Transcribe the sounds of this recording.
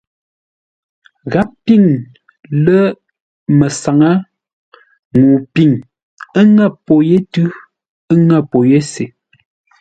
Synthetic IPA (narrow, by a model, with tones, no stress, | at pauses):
ɣa˨˦p̚pi˦˨ŋ | lə˦ | mə˨sa˨ŋa˦ | ŋuː˨pi˨ŋ | ə˦ŋa˦˨po˨je˦tʉ˦ | ə˦ŋa˦˨po˨je˦se˨